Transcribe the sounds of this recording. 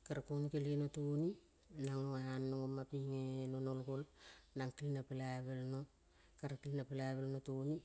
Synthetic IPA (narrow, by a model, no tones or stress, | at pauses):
kaɾakonkelienotoni | naŋoeanːoŋomapiŋenonolkolnaŋkilinapelaβelno | kaɾakilinapelaβelnotoni